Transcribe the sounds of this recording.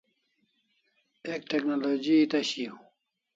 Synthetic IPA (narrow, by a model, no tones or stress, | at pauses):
ek̚ʈ̪eknoloːd͡ʑit̪ɐɕiu